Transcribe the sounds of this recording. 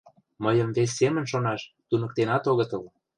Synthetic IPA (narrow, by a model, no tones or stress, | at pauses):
məjə̆mvesʲːemə̆nʃonɑʃt̪unɤ̆k̚t̪enɑt̪oɣə̆t̪ɤl